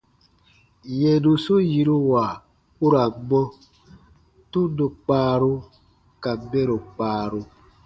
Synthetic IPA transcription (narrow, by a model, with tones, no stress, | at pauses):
je˨du˨so˦ji˨ɾu˦wa˨ | u˦ɾa˨ɡ͡bɔ˦ | tu˦do˨k͡paː˦ɾo˦ | ka˨be˦ɾo˨k͡paː˨ɾo˧